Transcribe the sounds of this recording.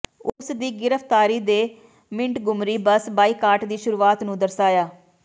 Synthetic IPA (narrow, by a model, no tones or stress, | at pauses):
ʊsd̪iːɡɪɾəfʰt̪aːɾiːd̪eː | mɪ̃ɳʈɡʊmɾiːbəsbaːiːkaːɾʈd̪iːʃʊɾuːaːt̪nũːd̪əɾsaːjaː